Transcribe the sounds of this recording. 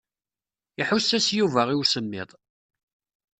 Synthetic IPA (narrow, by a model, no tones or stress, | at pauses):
iħusːæsjuvæʁiwsəmːɪ̰ðˤ